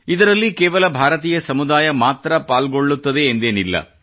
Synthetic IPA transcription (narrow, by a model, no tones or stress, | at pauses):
id̪ɐɾɐlːikɛːʋɐlɐbʱaːɾɐt̪̬iːjɐsɐmud̪aːjɐmaːt̪ɾɐpaːlɡoɭːut̪ːɐd̪e̞ːnd̪eːnilːɐ̰